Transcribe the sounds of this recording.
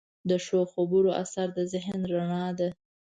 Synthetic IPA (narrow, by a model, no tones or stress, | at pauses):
d̪əʃoxobuɾoʔa̰saɾd̪əzɪɦnɾaɳɑd̪a